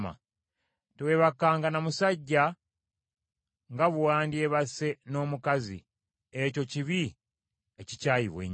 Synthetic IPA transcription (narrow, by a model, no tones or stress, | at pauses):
ma̰ | teweβakːaːŋɡanamusaɟːa | ŋɡaβuwaːndie̞βase̞no̞ːmukazḭ | eco̞ciβi | ecicaːjiβwḛɲ